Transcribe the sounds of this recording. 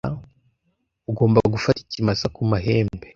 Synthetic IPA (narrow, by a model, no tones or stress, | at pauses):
uɡo̞ːmbaɡufati̥cimasakumaɦe̞ːmbe